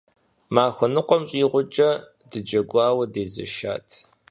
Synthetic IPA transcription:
maːxʷʊnɨqʷɔmɕʼiːʁʷʊt͡ʃʼɐ | dɨd͡ʒɐɡʷɑːwɐdeːzɐ̰ʃa̰ːtʰ

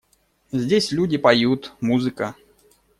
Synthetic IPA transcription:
zʲdʲesʲlʲudʲɪpɐjut̪muzɨkə

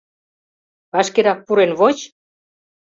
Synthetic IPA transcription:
ɑʃkeɾɑk̚puɾenβot͡ɕ

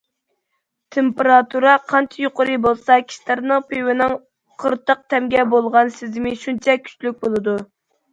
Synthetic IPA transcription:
t̪ʰempeɾɑt̪ʰuɾɑqʰɑnt͡ʃʰɛjoqəɾɨbolˠsɑkʲʰi̥ʃlæɾnɨŋpʰewɪnɨŋ | qʰəɾt̪əq̚t̪ʰɛmɡʲɛbolˠʁɑnsɪzmɪʃunt͡ʃʰɛkʲʰy̥t͡ʃlyk̚ʲbolˠɨd̪u

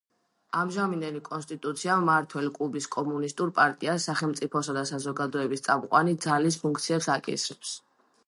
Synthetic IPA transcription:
amʒaminɛnikʼɔnst̪ʼit̪ʼut̪sʰiaːaɾt̪ʰwɛlikʼlubiskʼɔmunist̪ʼuɾpʼaɾt̪ʼiasːaχɛlˠmt̪sʼipʰɔsad̪asazɔɡad̪ɔɛbist̪sʼamqʼwanid̪zalis̬pʰuŋk̚ʰt̪sʰiɛpsakʼḭsɾɛps

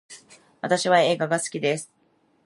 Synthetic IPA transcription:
βat̪aɕiβae̞ːɡaɡasɨ̥kʲid̪e̞sɨ̥

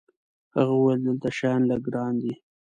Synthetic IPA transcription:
haɣaweld̪əlt̪aʃɑjɑnlaɡɾɑːnd̪i

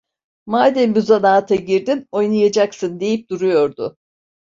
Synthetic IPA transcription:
maːd̪ɛnbyzanaːt̪ʰaɟiɾd̪ino̞jnajad͡ʒaksɯnd̪e̞jip̚d̪̥uɾujo̞ɾd̪ʊ

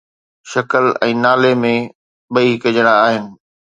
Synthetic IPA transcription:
ʃɐkəlɛ̰̃ːnaːlemẽ | ɓɐikɐd͡ʑəɽ̃aːɦɪnɪ̆

